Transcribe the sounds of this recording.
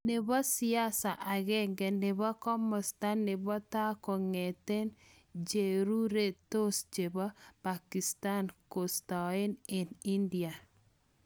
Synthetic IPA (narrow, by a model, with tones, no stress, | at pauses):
ne˨βɔ˦sɪ˦a˦sa˨ʔa˨ɣɛŋɡɛ˨nɪ˨βɔ˦kɔ˦mɔ˨sta˦nːɪ˨bɔ˦ta˦kɔ˨ŋe˨te˦n | d͡ʒe˨ɾu˦ɾe˦to˦sd͡ʒe˨bɔ˦pa˨ki˨sta˦nko˨sta˨e˦ne˨ni˦ndia˨